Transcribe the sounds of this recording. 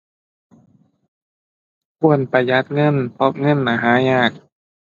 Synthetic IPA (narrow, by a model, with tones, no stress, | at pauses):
kʰu˧˩ənpa˨˩jːa˦˥t̪̚ŋɤ˧˥˨npʰɔ˦˥ŋɤ˧˥˨nːaː˧˩ɦaː˨˦ɲaː˧˩k̚